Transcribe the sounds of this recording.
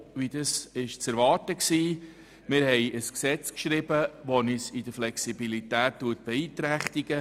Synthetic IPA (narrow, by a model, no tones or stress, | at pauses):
ʋid̪ɑsɪʃt͡sɛɾʋɑːtəksiː | mɪɾhɛɪʔəsksɛt͡skʃɾɪbəʋonisid̥̪əflɛksibilit̪æːttuːət̚b̥ɛiːt̪ɾæχt̪iɡ̥ə